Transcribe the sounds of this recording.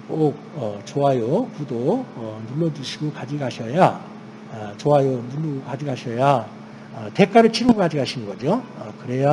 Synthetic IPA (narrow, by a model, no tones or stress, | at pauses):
k͈ok̚ʌt͡ɕoɦajokudoʌnuɭːʌd͡ʑuɕʰiɡokad͡ʑiɡɦaɕʰʌja | ʌt͡ɕoɦajonuɭːuɡokad͡ʑiɡɦaɕʰʌja | ʌte̞k͈ʰaɾɯɭt͡ɕʰiɾɯɡokad͡ʑiɡɦaɕʰinɯnɡʌd͡ʑoʌkɯɾe̞ja